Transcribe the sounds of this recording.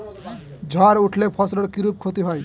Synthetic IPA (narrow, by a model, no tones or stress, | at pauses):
d͡ʒʱɔɾuʈʰlepʰɔsləɽkiɾup̚kʰot̪iɦoj